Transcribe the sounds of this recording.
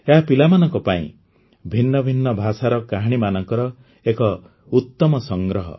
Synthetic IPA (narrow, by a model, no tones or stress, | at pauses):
eɦapilamanɔŋkɔpaḭ̃ | bʱinːɔbʱinːɔbʱasaɾɔkaɦɽ̃imanɔŋkɔɾɔ | ekɔ | ut̪ːɔmɔsɔŋɡɾɔɦɔ̰